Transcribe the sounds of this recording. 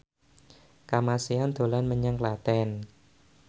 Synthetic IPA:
kamasiand̪̥o̤lanməɲaŋklat̪ɛn

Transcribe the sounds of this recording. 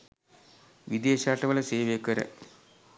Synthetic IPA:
ʋid̪eːɕaːʈːɐʋɐɭeseːʋeːkːɐɾɐ̰

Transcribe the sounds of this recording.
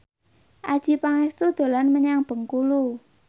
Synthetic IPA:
ʔad̥ʒ̥i̤paŋɛst̪ud̪̥o̤lanməɲaŋb̥ə̤ŋkulu

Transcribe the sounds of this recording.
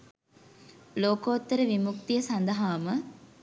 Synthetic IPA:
loːkoːt̪ːəɾəʋimuk̚t̪ijəsɐnd̪ɐɦaːmə

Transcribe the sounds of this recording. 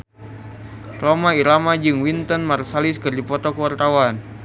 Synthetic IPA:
romaiɾamad͡ʒɨŋwint̪ɔnmarsaliskɨrdipɔt̪ɔkəwart̪awan

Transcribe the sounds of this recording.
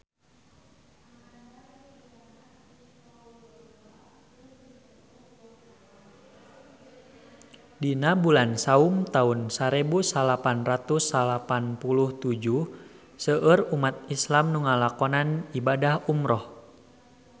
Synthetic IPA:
dinabulansaumt̪aunsaɾebusalapanrat̪usalapanpuluht̪ud͡ʒu | səʔərumat̪̚islamnuŋalakɔnanibadahumɾɔh

